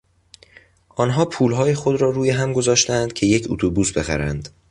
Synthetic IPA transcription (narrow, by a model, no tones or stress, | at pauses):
ʔɒːnɦɒːpʰuːlɦɒːjexo̞d̪ɾɒːɾuːjeɦæmɡo̞zɒːʃt̪ænd̪̥̚cʰe̞je̞cʰṵt̪ʰubuːsbe̞xæ̰ɾænd̪̥